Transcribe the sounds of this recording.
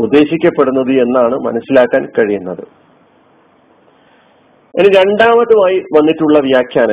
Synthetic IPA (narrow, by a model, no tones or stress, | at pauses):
ud̪ːe̞ːɕikʲːɐpːe̞ɽunːɐðɨe̞nːaːɳɨmɐ̰nɐsːilaːkːaːnkɐɻijunːɐðɨ | eniɾe̞ɳɖaːmɐt̪ːumaːjiʋɐnːiʈːuɭːɐʋjaːkʰjaːnɐ